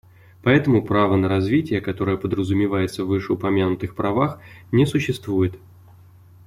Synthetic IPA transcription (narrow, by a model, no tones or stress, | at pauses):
pɐɛt̪əmʊpɾavənəɾɐzvʲitʲɪjəkɐt̪o̞ɾəjəpəd̪ɾəzʊmʲɪvajɪt̪səvːɨʂɨʊpɐmʲanʊt̪ɨxpɾɐvaxnʲɪsʊɕːɪst̪vujɪt̪